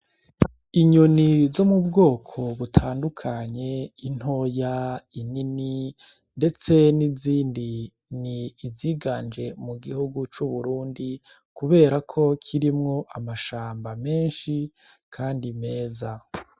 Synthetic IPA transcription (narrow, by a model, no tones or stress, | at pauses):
iɲonizo̞mubɡo̞ːkʰo̞βutʰaːndukʰaɲe̞in̥ho̞jainini | nde̞t͡se̞niziːndi | niːziːɡand͡ʒe̞muɡihuɡut͡ʃuβuɾuːndi | kuβe̞ːɾakʰo̞kʰiɾimŋo̞ʔamaʃaːmbame̞ːnʃi | kʰaːndime̞ːza